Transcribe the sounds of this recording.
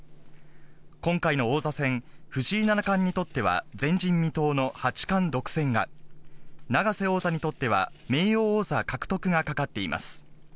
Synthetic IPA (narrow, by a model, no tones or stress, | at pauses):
kõ̞ŋkaino̞ːzasẽ̞ŋ̃ɸɯ̟ɕiːnanakãɲ̟ːit̪o̞t̪ːe̞βa̰zẽ̞ɲ̟d͡ʑĩmːʲit̪o̞ːno̞hat͡ɕi̥kãnd̪o̞kɯ̟̥sẽ̞ŋɡa | naɡase̞o̞ːzaɲ̟it̪o̞t̪ːe̞βa̰me̞ːjo̞ːzakakɯ̟̥t̪o̞kɯ̟ɡakakat̪ːe̞imʔa̰sɨ̥